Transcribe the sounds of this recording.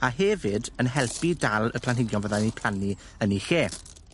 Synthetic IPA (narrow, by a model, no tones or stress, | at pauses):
aɦɛvɪdənɦɛlˠpidalˠəpʰl̥ˠanɦɪɡjɔnvəðanipʰl̥ˠani | ənixeː